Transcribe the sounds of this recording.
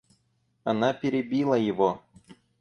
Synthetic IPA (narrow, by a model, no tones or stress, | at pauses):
ɐnapʲɪɾʲɪbʲilˠəjɪvo